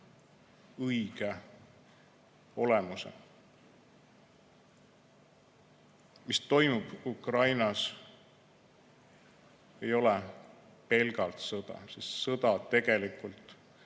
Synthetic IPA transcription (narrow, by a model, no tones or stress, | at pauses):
ɯjɡ̥e | o̞lemusḛ | mist̪o̞jmub̥ukrɑjnɑs | e̞jo̞lɛ | pe̞lɡɑlt̪sɤd̪ɑ̰sisːɤd̪̥ɑt̪e̞ɡ̥e̞likˑult̪ˑ